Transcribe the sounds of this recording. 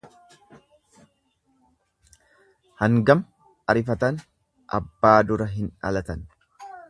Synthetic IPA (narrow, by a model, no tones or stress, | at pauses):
hɐŋɡɐm | ɐɾɪfɐt̪ɐn | ʔɐ̰bːaːd̪ʊɾɐɦɪnɐ̰lɐt̪ɐn